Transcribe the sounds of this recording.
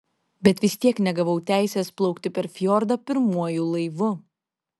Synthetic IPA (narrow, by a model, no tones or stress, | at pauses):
bʲɛt̪ʋʲɪsʲt̪ʲiɛknʲɛɡɐʋɐʊt̪ʲæˑɪsʲeːsplˠɐʊkt̪ʲɪpʲɛɾfʲjoɾd̪ɐpʲɪɾmuɔjuːlˠɐɪʋʊ